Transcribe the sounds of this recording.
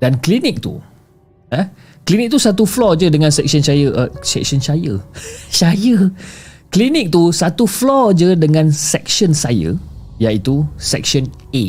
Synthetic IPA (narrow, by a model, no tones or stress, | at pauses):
d̥anklinik̚t̪ṵ | ə | klinik̚t̪usat̪̬uflɔd͡ʒədəŋansɛk̚sənt͡ʃajəʔəsɛ̰ksɔnt͡ʃajət͡ʃajəklinik̚t̪usat̪uflɔd͡ʒədəŋãnsɛk̚sənsajə̰jait̪usɛk̚sɔn | e